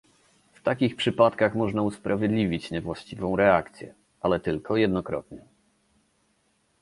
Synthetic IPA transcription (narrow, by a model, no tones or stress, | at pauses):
ft̪akʲixpʂɘpat̪kaxmɔʐnauspɾavʲjed̪lʲivʲit͡ɕɲɛvwaɕt͡ɕivɔ̃w̃ɾɛakt̪sʲjɛ̰ | ʔalɛt̪ɘlkʰɔjɛd̪nɔkɾɔ̰t̪ɲɛ